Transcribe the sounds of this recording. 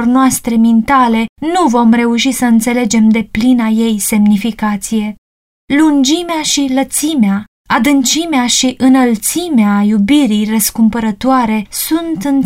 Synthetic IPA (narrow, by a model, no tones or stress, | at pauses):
rnoast̪ɾemint̪ale̞nuvo̞mre̞uʃisəɨnt̪se̞le̞d͡ʒe̞md̪e̞plinaje̞jse̞mnifikat̪sije̞ | lund͡ʒimeaʃilət̪simea | ad̪ɨnt͡ʃimeaʃiʔɨnəlt̪simeajubiɾijrəskumpəɾət̪oaɾe̞sunt̪ɨn